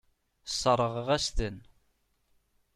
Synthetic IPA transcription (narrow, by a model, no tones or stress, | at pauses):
sˤːəɾˤːəʁʁæst̪ən